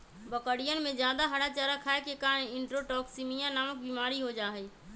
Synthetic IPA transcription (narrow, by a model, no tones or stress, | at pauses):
bəkəɽijənɪ̆mẽd͡ʒjaːd̪aɦəɽat͡ʃaːɾakʰaːekekaːnɪ̃ɳʈɾoʈɔːksimijãnaːmək̚bimaːɾiɦod͡ʒaːɦeː